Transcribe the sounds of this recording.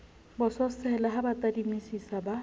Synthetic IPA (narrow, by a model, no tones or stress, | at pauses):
bɔsɔsɛlaɦabatadimisisaba